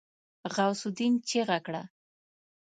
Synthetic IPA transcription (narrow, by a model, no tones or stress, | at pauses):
ɣawsʊd̪int͡ʃeɣakɽa